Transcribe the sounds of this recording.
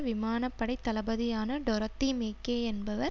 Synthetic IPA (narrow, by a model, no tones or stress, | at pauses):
ʋɪmaːnɐpːɐɽɐɪt̪ːɐlɐbɐðɪjaːnɐɖɔɾɐt̪ːimeːkːeːɛnbɐʋɐɾ